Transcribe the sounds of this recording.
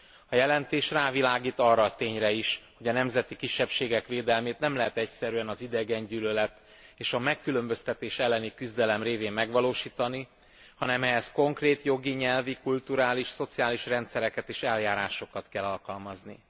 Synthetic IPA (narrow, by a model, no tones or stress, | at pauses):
ɒjɛlɛnt̪eːʃraːvilaːɡiːt̪ɒrːɒːt̪eːɲrɛiʃho̞ɟɒnɛmzɛt̪ikiʃːɛpʃeːɡɛkʋeːd̪ɛlmeːt̪nɛmlɛɦɛt̪ɛcsɛɾyɛnɒzid̪ɛɡɛɲɟyːlølɛt̪ | eːʃɒmɛkːylø̞mbø̞st̪ɛt̪eːʃɛlːɛnikyzd̪ɛlɛmreːveːmmɛɡʋɒloːʃiːt̪ɒni | hɒnɛmɛɦɛsko̞ŋkreːt̪jo̞ɡiɲɛlvikult̪uɾaːliʃso̞t̪siaːliʃrɛnt̪sɛɾɛkɛt̪eːʃɛljaːɾaːʃo̞kɒt̪kɛlːɒlkɒlmɒzni